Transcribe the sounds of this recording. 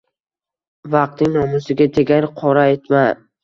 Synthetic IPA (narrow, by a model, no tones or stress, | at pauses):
vɑq̚t̪ɪŋnɒmʊsɪɡʲad̪ʰeɡʲaɾɪqʰɒɾaet̪ma